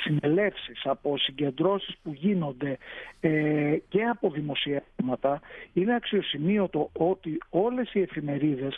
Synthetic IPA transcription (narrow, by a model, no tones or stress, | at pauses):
sine̞le̞fsisɐpo̞siɲɟe̞nd̪ɾo̞sispuʝino̞nd̪e̞ | ce̞ɐpo̞ðimo̞siɐmɐt̪ɐine̞ɐksio̞simio̞t̪o̞o̞t̪io̞le̞sie̞fime̞ɾiðe̞s